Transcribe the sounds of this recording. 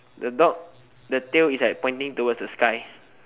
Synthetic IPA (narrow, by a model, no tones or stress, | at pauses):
dədɔk̚ | dətelislaɪk̚pɔ̃ɪ̃ntĩŋtowəsdəskaɪ